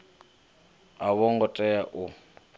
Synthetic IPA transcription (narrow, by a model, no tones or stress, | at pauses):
aβɔŋɡɔtʼɛjaʔʊ